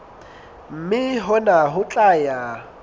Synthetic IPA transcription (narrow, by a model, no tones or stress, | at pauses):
m̩mɪɦɔnaɦʊt͡ɬʼaja